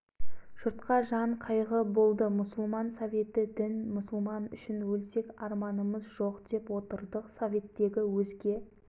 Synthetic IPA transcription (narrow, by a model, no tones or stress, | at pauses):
ʒ̥ʊɾt̪qɑʒɑɴqʰɑjʁəbo̞lˠd̪əmʊsəlˠmɑnsovʲe̞t̪ɪd̪ɪnmʊsəlˠmɑnʏ̰ʃɪnwɵlse̞kʲɑɾmɑnəməzʒo̞qd̪e̞pwo̞t̪əɾd̪əqsovʲe̞t̪ːe̞ɡʲɪwɵzɡʲe̞